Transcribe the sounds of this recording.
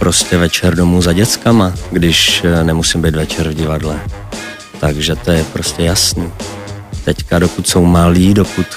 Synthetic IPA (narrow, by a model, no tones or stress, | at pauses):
pɾo̞scɛvɛt͡ʃɛɾdo̞muzaɟɛt͡skamaɡdɪʃnɛmusimbɛjt̪vɛt͡ʃɛɾvɟɪvadlɛ | t̪aɡʒɛt̪ojɛpɾoscɛjasniː | t̪ɛckado̞kut̪so̞wmaliːdokut̪